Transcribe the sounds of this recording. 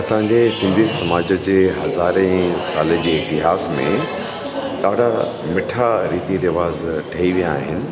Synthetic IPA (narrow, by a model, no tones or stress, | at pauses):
ɐsãɲd͡ʑesɪ̃nd̪ʱisɐmaːd͡ʑə̆d͡ʑeːɦɐzaːɾɛ̃saːled͡ʑeːɪt̪ɪɦaːsmḛ̃ | ɗaːɽ̤a | mɪʈʰaɾiːt̪iɾɪʋaːzʈʰɐiʋijaːɦɪnɪ̆